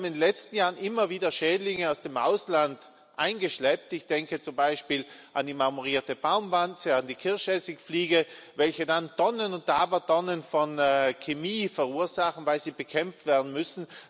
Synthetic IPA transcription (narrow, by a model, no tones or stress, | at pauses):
m̩ɪndlɛt͡stn̩jaːʁənʔɪmɐviːdɐʃɛːdlɪŋəaʊsd̥emʔa̰ʊslant | ʔaɪnɡəʃlɛp̚tɪçd̥ɛŋkət͡sʊmbaɪʃpiːlʔandiːmaʁmuʁiːɐtəb̥aʊmvant͡səandiːkʰɪɐçɛsɪkfliːɡəvɛlçədantɔnənʊnt̚aːbɐtɔnənfɔnkʰemiːfɛʁuːɐzaχn̩vaɪlz̥iːbəkʰɛmp͡fftv̥ɛɐdn̩mʏsn̩